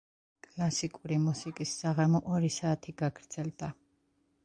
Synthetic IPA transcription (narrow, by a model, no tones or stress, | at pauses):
kʼlˠasikʼuɾimusikʼisːaʁamɔʔɔɾisaːt̪ʰiɡaɡɾd̪z̥ɛld̪a